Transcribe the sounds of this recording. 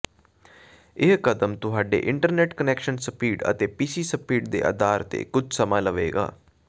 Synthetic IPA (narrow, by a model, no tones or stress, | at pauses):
ɪɦkəd̪əmt̪ʊɦaːɖḛːʔɪ̃ɳʈəɾnɛːʈkənɛːkʃənsəpʰiːʈə̰t̪eːpiːsiːsəpiːʈ̚d̪ḛːʔə̰d̪aːɾt̪ḛːkʊd͡ʒʱsəmãːləʋḛːɡa̰ː